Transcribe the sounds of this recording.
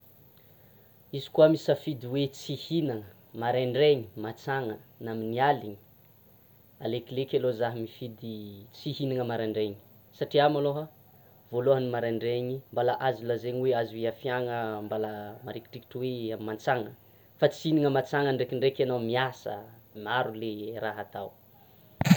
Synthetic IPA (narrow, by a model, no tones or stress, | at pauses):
izi̥kuamisafid̪iwet͡sihinaŋə | maɾaɳɖ͡ʐeɲimat͡saŋənaminialiɲi̥ | aleklekʲalozaɦəmifid̪it͡sihinaŋəmaɾaɳɖ͡ʐeɲi̥ | saʈ͡ʂiamaloɦa | voloɦənimaɾeɳɖ͡ʐeɲimbalaʔazilazeɲiweaziweafjaŋəmbalamaɾiki̥ʈ͡ʂiki̥ʈ͡ʂəweamant͡saŋə | fat͡siiniŋəmat͡saŋənɖ͡ʐekiɳɖ͡ʐekanawmiasə̰maɾuleɾaɦat̪aw